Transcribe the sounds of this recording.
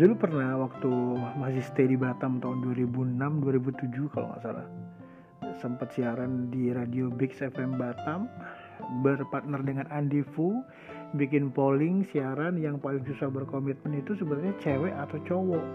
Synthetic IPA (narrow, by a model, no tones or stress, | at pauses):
d͡ʒulupərnawak̚t̪umasɪhst̪ejdibat̪amt̪aunduaɾibunamduaɾibut̪ud͡ʒukalo̰ŋa̰ʔsala̰ | səmpət̪siaɾandiɾadiobɪksɛfɛmbat̪am | bərpart̪̚nərdəŋanandifu | bikɪnpolɪŋsiaɾanjaŋpalɪŋsusahbərkomit̪̚mənit̪usəbət̪tɲat͡ʃɛwɛʔat̪awt͡ʃowɔ